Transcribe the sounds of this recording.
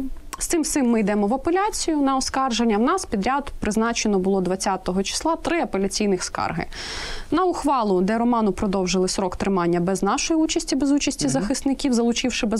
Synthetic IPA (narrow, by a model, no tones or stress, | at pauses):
st̪ɪmt̪ɪmːɪjd̪ɛmɔʋɐpelʲat͡sʲijʊnɐɔskɑrʒenʲːɐwnɑspʲid̪ɾʲad̪pɾɪznɑt͡ʃenɔbʊlˠɔd̪ʋɐt͡sʲːat̪ɔɦɔt͡ʃi̥slˠɑt̪ɾɪɐpelʲɐt͡sʲijnɪxskɑ̰rɦɪ̰ | nɐʊxʋɑlˠʊd̪ɛɾɔmɑnʊpɾɔd̪ɔwʒɪlˠɪsɾɔkt̪ɾɪmɑnʲːɐbɛznɑʃɔjiut͡ʃɐsʲtʲibezut͡ʃɐsʲtʲizɐxɪst̪nɪkʲiwzɐlˠʊt͡ʃiwʃɪbɛ